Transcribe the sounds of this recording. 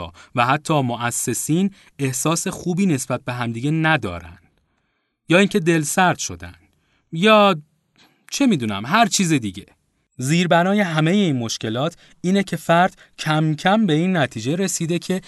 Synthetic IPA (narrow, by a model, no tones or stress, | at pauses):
væhæt̪ʰːɒːmoʔæsːe̞siːn | e̞hsɒːse̞xuːbiːne̞sb̥æt̪̚be̞ɦæmd̪iːɟe̞næd̪ɒ̰ːɾæ̰nd̪̥ | jɒːiːŋcʰe̞d̪e̞lsæɾd̪̥ʃo̞̰d̪æ̰nd̪̥ | jɒː | t͡ʃʰe̞miːd̪uːnæ̰mɦæɾt͡ʃʰiːzed̪iɟe̞ | ziːɾbænɒːje̞ɦæme̞je̞iːnmo̞ʃce̞lɒːt̪ʰ | iːnecʰe̞fæɾd̪̥ | cʰæmcʰæmbe̞iːnːæt̪ʰiːd͡ʒe̞ɾe̞siːd̪e̞cʰe̞